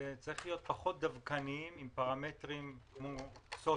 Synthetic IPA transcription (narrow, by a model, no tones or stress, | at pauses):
et͡saʁiχlijo̞t̪̚paχo̞t̪̚d̪avkaniimimpaʁame̞t̪ʁimkmoso